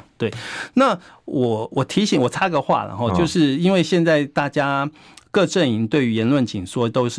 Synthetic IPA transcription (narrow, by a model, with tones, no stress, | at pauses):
t̪we˥˩ɪna˥˨ | wɔ˨˩wɔ˨˩t̪ʰi˧˥ɕi˨˩ŋwɔ˨˩t͡sʰa˥ɡə˨xwa̰˥˩lə̰˩xɔ˥˧t͡ɕjo˥˧ʊʂɻ̩˥˧i˥nwe˥˧ɪɕjɛ˥˧nt͡sa˥˧ɪt̪a˥˩t͡ɕja˥ | kɤ˥˧ʈ͡ʂə˥˩ni˧˥ŋt̪we˥˩ɪy˧˥jɛ˧˦˥nlwə˥˩nt͡ɕḭ˨˩ŋʂwɔ˥t̪o˥ʊʂɻ̩˥˨